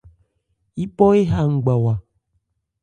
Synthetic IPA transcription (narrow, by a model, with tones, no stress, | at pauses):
i˦pɔ˦e˦ɦa˦˨ŋ̩˨ɡ͡ba˨wa˨